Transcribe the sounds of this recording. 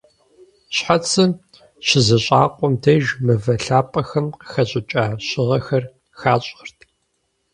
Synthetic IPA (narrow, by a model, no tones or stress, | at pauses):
ɕħat͡sʰɨ | ɕɪzɐɕʼa̰ːqʷʼɔmdʰɐʒmɨvɐɬaːpʼɐxɐmqəxɐɕʼɪt͡ʃʼaːɕɪʁɐxɐr | xaːɕʼərtʰ